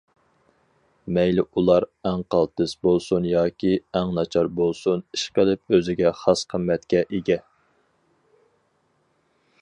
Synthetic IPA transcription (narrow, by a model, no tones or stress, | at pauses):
mɛjlɪʔulˠɑɾæŋqʰɑlˠt̪ɨsbolˠsunjɑːkʲʰiɛŋnɑt͡ʃʰɑɾbolˠsuniʃqəlˠɪp̚øzɪɡʲɛχɑsqʰəmːɛt̪kʲɛʔeɡʲɛ